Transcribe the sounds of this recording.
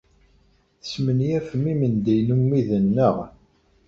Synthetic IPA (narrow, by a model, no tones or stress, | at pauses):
θə̥smənjæfəmimənd̪ijnumːiðənːəʁ